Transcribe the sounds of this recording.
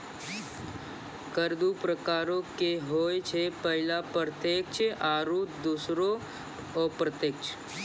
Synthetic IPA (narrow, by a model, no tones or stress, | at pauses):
kəɾd̪upɾəkaːɾõkeɦoːet͡ʃʰepəɦɪlapɾət̪eːk̚t͡ʃʰʔaːɾuːd̪uːsɾo | ɔːpɾət̪eːkt͡ʃʰ